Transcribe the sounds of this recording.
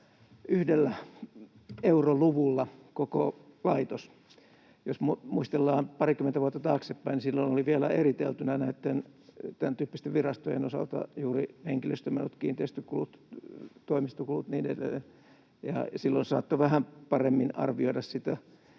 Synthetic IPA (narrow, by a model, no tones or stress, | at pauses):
yhdelːæ | euroluʋulːɑkokolɑit̪os | josmumuist̪elːɑːmpɑrikyment̪æʋuot̪ːɑt̪ɑːksepːæinisilːonoliʋiælæerit̪ḛlt̪ynænæit̪ːent̪ænt̪yːpːist̪eʋirɑst̪ojḛnosɑ̰lt̪ɑ̰juːriheŋkilø̰st̪ømenːut̪kḭːnt̪eist̪ykulut̪t̪oimist̪okulut̪niːnḛlḛ | jɑ̰silːonsɑːt̪ːoʋæhæmpɑremːinɑ̰rʋioiɾɑssit̪æ